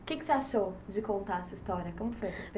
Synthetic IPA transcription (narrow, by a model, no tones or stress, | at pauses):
kɪkɪ̥seaʃowd͡ʒɪkõnt̪aɾɛsɐist̪ɔɾjɐkõmʊfojɛsɐsp